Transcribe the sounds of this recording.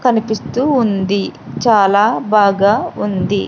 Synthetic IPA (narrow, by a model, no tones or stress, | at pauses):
kɐnipist̪uːnd̪it͡ʃaːlaːbaːɡaːund̪i